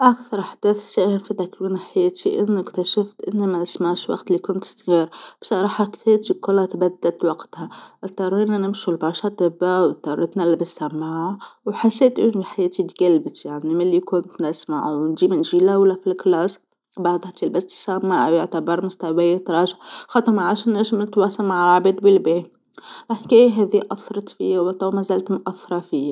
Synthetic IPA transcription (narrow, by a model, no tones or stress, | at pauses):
ʔakθɑɾˤħad̪̥eːθsaːhɪmfit̪akwiːnɪħajeːt̪ʰiʔɪnːɪkt̪aʃaft̪ʔɪnːimaasmaʕʃwɑ̰qt̪lːikʊnt̪st̪ɣiːɾb̥sˤɑɾˤɑːħɑkt̪eːt̪ikʊlat̪bad̪ːat̪wɑɡt̪haʔɪt̪ːɑɾˤiːnanɪmʃulbɑɾʃɑt̪ˤɪbːawɪt̪ːɑɾɪt̪nalːbɪsamːaʕawħasːeːt̪ʔɪniħajeːt̪it̪ɡalbɪt̪jaʕnimɪlːikʊnt̪nɪsma̰ʕwnd͡ʒiːmɪnʒilawlafilklɑːs | bɑʕd̪ˤhat̪ilbast̪i̥samːaʕawjɪʕt̪abɑɾˤmʊst̪awajat̪ɑɾˤɑːʒɪʕxɑt̪ˤɨɾˤmaʕaʃɪnːeʃmɪt̪wɑsɑmaʕalʕabeːd̪bɪlbeː | lħkeːjaɦæːðiʔɑθɾˤɑt̪fḭjawt̪ˤɑmazalt̪mʔaθːɑɾˤɑfiːa